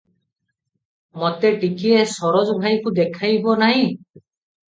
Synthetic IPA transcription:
mɔt̪eʈikiesɔɾɔd͡ʒɔbʱajkud̪ekʰajbɔnaɦĩ

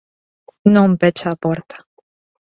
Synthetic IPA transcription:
nɔ̃mpet͡ʃaːpoɾt̪ḁ

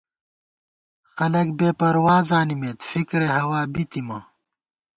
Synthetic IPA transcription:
xɐlɐk̚beːpɐɾwaːzaːnimeːt̪fikɾeɦɐwaːbit̪imɐ

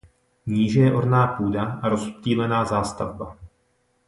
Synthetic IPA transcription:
ɲiːʒɛjɛʔoɾnaːpuːdaaɾo̞sciːlɛnaːzaːst̪avba

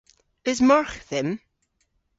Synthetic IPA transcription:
ɪzmaɹxθɪm

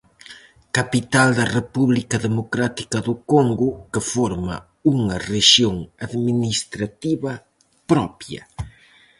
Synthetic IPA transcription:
kapit̪ald̪ɐrepuβlikɐðemokɾat̪i̥kɐðʊkoŋɡʊkefoɾmɐ̰ | uŋɐreʃjoŋaðminist̪ɾat̪iβɐ | pɾɔpjɐ̰

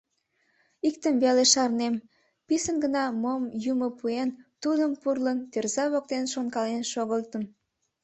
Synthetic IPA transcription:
ik̚t̪əmveleʃɑrnem | pisənɡənɑmomjumopuent̪ud̪əmpurlənt̪erzɑβok̚t̪enʃonkɑlenʃoɣəlt̪əm

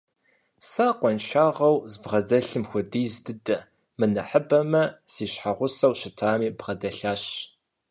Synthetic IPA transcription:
saːqʷɔnʃaːʁɐwzbʁɐdɐɬɨmxʷʊdiːzdɨdɐ | mɨnɐħəbɐmɐsiːɕħaʁʷʊsɐwɕɪtʰaːmiːbʁɐdɐɬaːɕ

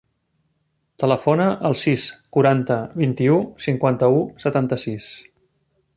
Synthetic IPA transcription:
t̪ələfonəʔəlˠsiskuɾant̪əβint̪iusiŋkwant̪əusət̪ant̪əsis

